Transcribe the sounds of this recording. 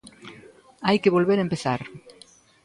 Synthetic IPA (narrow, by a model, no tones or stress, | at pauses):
ajkeβolβeɾaempeθaɾ